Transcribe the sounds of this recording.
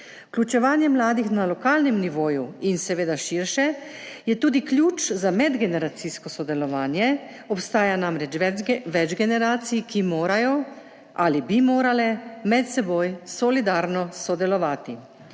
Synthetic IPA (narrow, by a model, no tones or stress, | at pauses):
u̥klʲut͡ʃɛʋaːnjɛmlaːd̪ixnalɔkaːlnɛmniʋoːjuinsɛʋeːd̪aʃiɾʃɛ | jɛt̪uːd̪iklʲjuːt͡ʃzamɛd̪ɡɛnɛɾat̪siskɔsɔd̪ɛlɔʋaːnjɛ | ɔpst̪aːjanamɾɛt͡ʃʋɛd͡ʒɡɛnɛɾaːt̪sijikimoːɾajɔ | alibimoːɾalɛmɛt̪sɛboːjsɔlid̪aːɾnɔsɔd̪ɛlɔʋaːt̪i